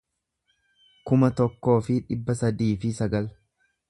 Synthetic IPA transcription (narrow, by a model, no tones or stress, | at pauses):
kʊmɐt̪ɔkːo̞ːfɪᶑɪbːɐsɐd̪iːfɪsɐɡɐl